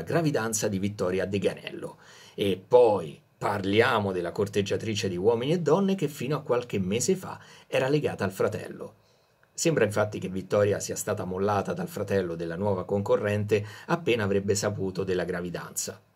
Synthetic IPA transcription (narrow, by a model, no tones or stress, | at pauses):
aɡɾavid̪ant̪sad̪ivit̪ːɔːɾjad̪eɡanɛ̰lːo̰ | epːɔj | parljaːmod̪elːakort̪ed͡ʒːat̪ɾiːt͡ʃed̪iwɔːminied̪ːɔnːek̟efːiːnoakːwalk̟emeːzefa̰ɛːɾaleɡaːt̪aːlfɾat̪ɛ̰lːo̰ | sembɾaiɱfat̪ːik̟evːit̪ːɔːɾjasiːast̪aːt̪amolːaːt̪ad̪alfɾat̪ɛlːod̪elːanwɔːvakoŋkorːɛnt̪eapːeːnaːvɾebːesapuːt̪od̪elːaɡɾavid̪a̰nt̪sa